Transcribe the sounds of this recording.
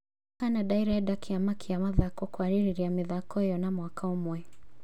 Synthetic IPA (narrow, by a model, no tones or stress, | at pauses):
kanaɗaiɾaɛdakiamakʰiamaðakɔkwaɾiɾiɾiamiðakɔjɔnamwakaɔmwɛ